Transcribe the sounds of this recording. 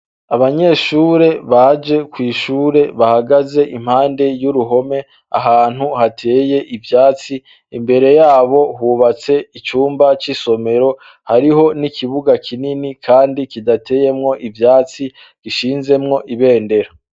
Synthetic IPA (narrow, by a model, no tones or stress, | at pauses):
aβaɲe̞ːʃuːɾe̞βad͡ʒe̞kwiːʃuːɾe̞βahaɡaze̞ʔim̥haːnde̞juɾuɦo̞me̞ | a̰ɦaːn̥huhatʰe̞ːje̞ʔivjaːt͡siː | mbe̞ɾe̞jaːβo̞huːβat͡se̞it͡ʃuːmbat͡ʃiso̞me̞ɾo̞ | haɾiɦo̞nikʰiβuɡakʰininikʰaːndikidatʰe̞ːje̞mŋo̞ʔivjaːt͡si | ɡiʃiːnze̞mŋo̞ʔiβe̞ːnde̞ɾo